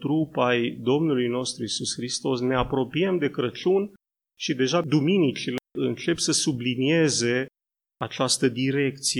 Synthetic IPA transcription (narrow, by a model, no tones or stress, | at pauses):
t̪ɾupajd̪o̞mnulujno̞st̪ɾuisusxɾist̪o̞sne̞apɾo̞piemd̪e̞kɾət͡ʃun | ʃid̪e̞ʒad̪uminit͡ʃileɨnt͡ʃe̞psəsublinie̞ze̞ | at͡ʃast̪əd̪iɾe̞kt̪si